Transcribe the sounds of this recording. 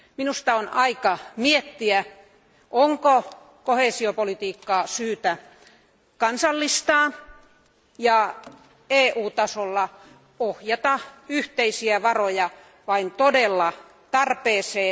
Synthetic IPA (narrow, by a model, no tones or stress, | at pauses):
minust̪ɑonʔɑikɑmiet̪ːiæ | ʔoŋko | koheːˑsiopolit̪iːkːɑːsyːt̪æ | kɑnsɑlːist̪ɑː | jɑ | eːʔuːt̪ɑsolːɑ | ohjɑt̪ɑyht̪eisiæʋɑrojɑ | ʋɑint̪odelːɑ | t̪ɑrpeːseː